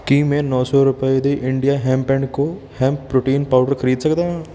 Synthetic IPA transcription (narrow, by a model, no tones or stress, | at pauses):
kimɛ̃ːnɔːsɔːɾʊpəed̪eːʔɪɳɖijaːɦɛ̃ːmpɛ̃ːɳkoː | hɛ̃ːmpːɾoːʈiːnpaːʊɖəɾkʰəɾiːd̪səkd̪aːɦɛ̃ː